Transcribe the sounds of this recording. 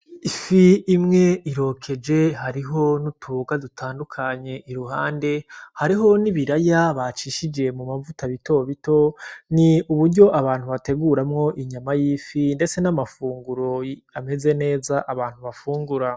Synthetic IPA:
ifiːmŋe̞iɾo̞kʰe̞d͡ʒe̞ɦaɾiɦo̞nutʰuβoɡadutʰaːndukʰaɲe̞ʔiɾuɦaːnde̞haɾiɦo̞niβiɾajaβat͡ʃiːʃid͡ʒe̞mumavutaβitʰo̞βito̞niuβuɾɟo̞ʔaβaːn̥huβate̞ɡuɾamŋo̞ʔiɲamajiːfinde̞t͡se̞namafuːŋɡuɾo̞ame̞ze̞ne̞ːzaʔaβaːn̥huβafuːŋɡuɾa

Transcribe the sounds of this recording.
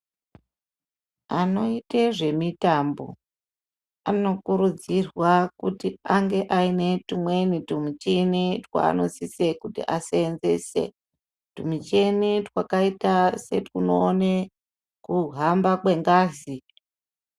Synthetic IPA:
ano̞iteʐe̞mitambo̞̰ | ano̞kuɾud͡zirwakutiaŋɡe̞ʔaine̞tumwe̞nitumut͡ʃenetwa̰ːno̞sisekutḭʔaseːnze̞̰sḛ | tumut͡ʃenetwakaitase̞tuno̞ːne | kuɦambakwe̞ŋɡaːzi

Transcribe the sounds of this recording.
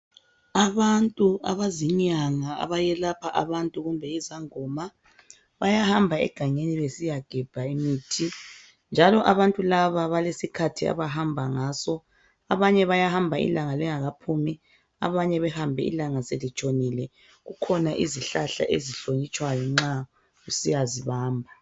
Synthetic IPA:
aβantʼua̰βaziɲaŋaa̰βajɛlapʰaʔaβantʼuɣumbʱɛizaŋɔma | βajahambʱaɛ̰ɡ̥ʱaŋeniβesijaɡ̥ʱɛb̥ʱaimitʰi | nd͡ʒʱalɔʔaβantʼulaβaβalesikʰatʰia̰βaɦambʱaŋaːsɔ | aβaɲɛβajahambʱaḭlaŋalɛŋaɣapʰumi | a̰βaɲɛβɛhambʱɛḭlaŋaselit͡ʃʼonilɛ | ɣukʰɔnaʔiziɬaɬa̰ʔeziɬoɲit͡ʃʼwajɔŋ͡ǁa | ɣusijaziβaːmbʱa

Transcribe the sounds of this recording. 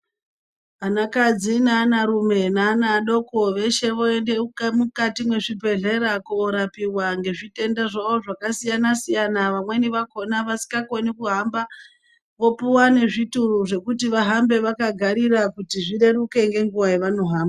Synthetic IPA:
anakad͡zinaːnaɾume̞naːnaɗo̞ko̞ʋe̞ʃe̞ʋoendemukatimwe̞ʐibʱe̞ɮe̞ɾakuːɾapiwaŋɡe̞ʐite̞ndaʐaʋo̞ʐakasijanasijanaʋamwe̞niʋako̞naʋasi̥kɡakonikuɦamba | ʋo̞puwane̞ʐituruʐe̞kutiʋaɦambe̞ʋakaɡʱaɾirakutiʐire̞ɾuke̞ŋɡe̞ŋɡuʋajeʋano̞ɦaːmba

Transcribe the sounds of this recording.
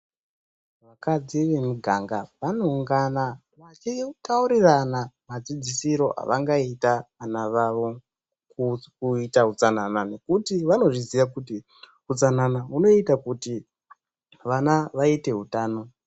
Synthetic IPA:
ʋakad͡ziʋe̞muɡʱaŋɡaʋano̞uŋɡana | ʋat͡ʃitauɾiranamad͡zid͡zisiɾo̞ʔa̰ʋaŋɡaitaanaʋaʋo̞ | kukuitaɦut͡sananane̞kutiʋano̞ʐizijakuti | ut͡sananauno̞itakuti | ʋanaʋaite̞ɦutaːno̞

